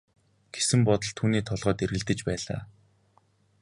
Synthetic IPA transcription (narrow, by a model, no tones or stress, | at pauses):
ɡ̥e̥sɘ̆mpɔt̪ɞ̆ɮt̪ʰuːniːt̪ʰɔɮʁɔːt̪eɾɣɘ̆ɮt̪ɘ̆t͡ɕpæːɮa̰ː